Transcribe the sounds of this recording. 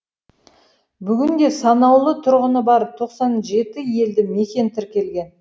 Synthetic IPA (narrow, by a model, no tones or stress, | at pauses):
bʏɡʲɪŋd̪ʲe̞sɑnɑwlˠət̪ʰʊɾʁənəbɑɾəp̚t̪ʰo̞qsɑnʒe̞t̪ɪje̞ld̪ɪme̞kʲe̞nt̪ʰɪɾkʲe̞lɡʲe̞n